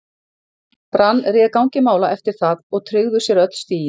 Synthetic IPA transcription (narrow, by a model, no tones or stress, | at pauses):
pɾanːrɪːðkaw̃ŋɲcɪmaːwlaʔɛft̪ɪɾ̥θaðɔɣt̪ʰɾʏɣðʏ̥sjɛɾœt̪l̥st̪iːjɪn